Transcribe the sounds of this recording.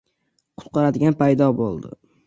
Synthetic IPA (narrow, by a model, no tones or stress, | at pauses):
qʰʊ̥t̪̚qʰɑɾad̪ɪɡʲanpʰajd̪ɒbolˠd̪ɪ̰